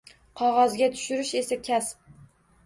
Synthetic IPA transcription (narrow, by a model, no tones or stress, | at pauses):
qʰɒʁɑzɡʲat̪ʰʊ̥ʃɪɾɪʃe̞sakʲʰasp̚